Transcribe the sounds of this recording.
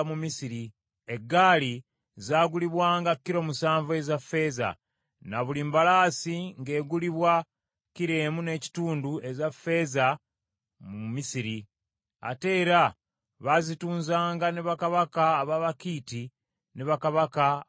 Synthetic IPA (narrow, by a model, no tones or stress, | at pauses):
mumisiɾi | e̞ɡːaːli | zaːɡuliβwaːŋɡakːiɾo̞musaːɱvue̞zafːe̞ːza̰ | naβulimbalaːsiŋɡe̞ːɡuliβwa | ciɾe̞ːmune̞ːci̥tuːndue̞zafːe̞ːza | mumisiɾi | a̰te̞ːɾa | βazituːnzaːŋɡaneβakaβakaːβaβakiːti | neβakaβaka